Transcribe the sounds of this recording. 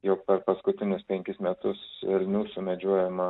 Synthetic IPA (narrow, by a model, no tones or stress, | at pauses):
jɛʊkpʲɛɾpɐskʊt̪ʲɪnʲʊspʲɛŋʲkʲɪsmʲɛt̪ʊsɛlʲnʲuːsʊmʲɛd͡ʒʲuɔjɛmɐ